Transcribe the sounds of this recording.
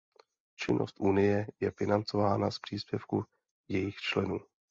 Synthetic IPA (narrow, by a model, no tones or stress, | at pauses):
t͡ʃɪnʔo̞̰st̪ʔunɪjɛjɛfɪnant͡so̞vaːnaspr̥iːspjɛfku | jɛjɪxt͡ʃlɛnuː